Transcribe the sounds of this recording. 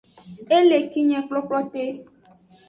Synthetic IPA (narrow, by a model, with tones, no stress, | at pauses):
e˦le˨ki˦ɲe˨k͡plɔ˦k͡plɔ˦te˦